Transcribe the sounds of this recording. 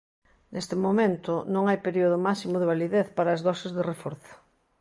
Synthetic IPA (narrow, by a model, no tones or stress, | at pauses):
nʔest̪ɪmomẽnt̪ʊnõŋajpeɾioð̞ʊmasimoðeβaliðeθpaɾɐːzðɔsɪzðɪrefoɾθʊ̥